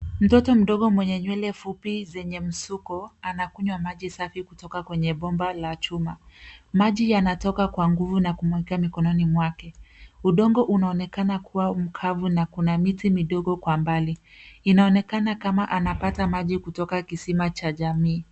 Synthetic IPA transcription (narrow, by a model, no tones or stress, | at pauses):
m̩tɔtɔm̩ɗɔɠɔmwɛɲɛɲwɛlɛfupizɛɲɛm̩sukɔanakuɲwamaʄisafikutɔkakwɛɲɛɓɔmbalat͡ʃumamaʄijanatɔkakwaŋɡuvunakumwɛkamikɔnɔnimwakɛuɗɔŋɡɔʔunaɔnɛkanakuwam̩kʰavunakunamitimiɗɔɠɔkwambali | inaɔnɛkanakamaʔanapatamaʄikutɔkakisimat͡ʃaʄamiː